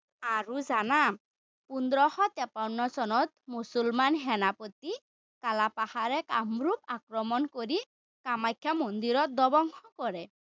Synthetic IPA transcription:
aɹuzana | pund̪ɾɔhɔt̪ɛpanːɔsɔnɔt̪̚musulmanɦɛnapot̪i | kalapahaɾɛka̰mɾup̚akɹɔmɔnkoɾi | kamajkʰːjamond̪iɾɔt̪̚d̪ɔbɔŋxɔkɔɹɛ

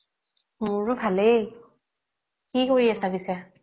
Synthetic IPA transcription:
mʊɹʊbʱale | kikoɹiasabisɛ

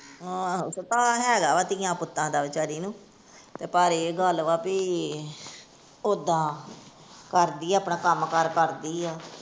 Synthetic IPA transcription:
sət̪ãːɦɛːɡaːʋaːt̪iːjãːpʊt̪ːãːd̪aːʋɪt͡ʃaɾiːnũː | t̪eːpaːɾeːɡəlʋaːpiː | od̪ãː | kəɾd̪iːɛːaːpɳãːkəmkəɾkəɾd̪iːɛː

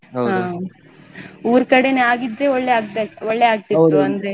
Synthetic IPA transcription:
ɦaː | uːɾkɐɽeneaːɡid̪ɾe̞ɔɭːeaːɡ̚t̪eɔɭːeaːɡ̚t̪iɾuɐnd̪ɾe

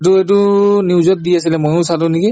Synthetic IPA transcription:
t̬ʊet̬ʊniwzɔt̚diasilɛmɔjʊ̃satʊniki

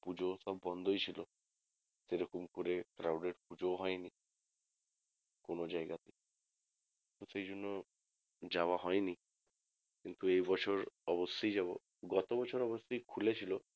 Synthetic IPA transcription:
pud͡ʒosɔbːɔnd̪ʱojt͡ʃʰilo | seɾɔkɔmkoɾekɾawɖeɖpud͡ʒoɦɔjni | konod͡ʒaeɡat̪i | kkint̪usejd͡ʒonːɔ | d͡ʒawaɦɔjni | kint̪uejbɔt͡ʃʰoɾɔbosːojd͡ʒaβo̰ | ɡɔt̪obɔt͡ʃʰɔɾɔbosːojkʰulet͡ʃʰilo

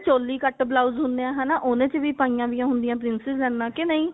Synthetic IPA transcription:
t͡ʃoːlːiːkəʈblaːʊzɦʊ̃nd̪eãːɦɛːnaːʔonẽːt͡ʃəʋiːpaːijãːʋɪjãːɦʊnd̪ɪjãːpɾɪnsɪzlɛːnːãːkɪnəĩː

